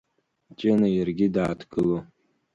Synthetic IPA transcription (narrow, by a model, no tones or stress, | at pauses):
t͡ʃʼɪnajɪrɡʲɪdaːtʰɡɨlo